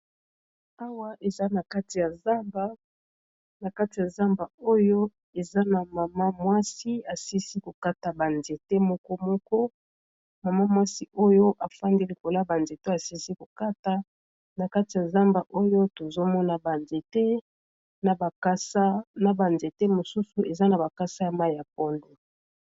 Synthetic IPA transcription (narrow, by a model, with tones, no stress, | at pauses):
a˦wa˦ʔe˨za˦na˨ka˦ti˨ja˨za˦mba˦ | na˨ka˦ti˨ja˨za˦mba˨o˦jo˦ | e˨za˦na˨ma˨ma˦mwa˦si˦a˨si˦si˦ko˨ka˦ta˨ba˨nze˨te˦mɔ˦kɔ˦mɔ˦kɔ˦ | ma˨ma˦mwa˦si˦ʔo˦jo˦ʔa˨fa˦ndi˦li˨ko˨la˦ba˨nze˨te˦a˨si˦si˦ko˨ka˦ta˦ | na˨ka˦ti˨ja˨za˦mba˨ʔo˦jo˦to˨zo˦mɔ˦na˨ba˨nze˨te˦ | na˨ba˨ka˦sa˦na˨ba˨nze˨te˦mo˨su˦su˨ʔe˨za˦na˨ba˨ka˦sa˦ma˦ja˨p̚ɔ˦nde˨